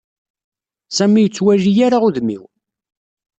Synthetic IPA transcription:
sæmijət͡sːwæʒijaɾaʁuðmḭw

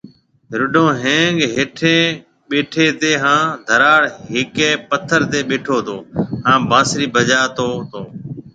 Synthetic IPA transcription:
ɾʊɖõːɦẽːŋɡɦeːʈʰẽː | ɓeːʈʰeːt̪eːɦãːd̪ʱəɾaːɽɦɪkeːpət̪ʰəɾt̪eːɓeːʈʰoːt̪oːhãːbãːsɾiːbʱəd͡ʒaːt̪oːt̪oː

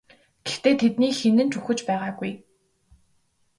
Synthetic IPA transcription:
ɡ̥ext̪eːt̪ʰet̪niːxenɘ̆nt͡ɕuxɘ̆t͡ɕpæːʁaːɡuj

